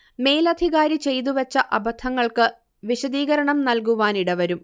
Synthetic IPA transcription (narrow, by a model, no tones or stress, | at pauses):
me̞ːlɐd̪ʱiɣaːɾit͡ɕe̞jt̪̬uʋɐt͡ɕːɐʔɐbɐt̪ʰɐŋːɐɭkɨ | ʋiɕɐd̪iːɣɐɾɐɳɐmnɐlkuʋaːniɽɐʋɐɾum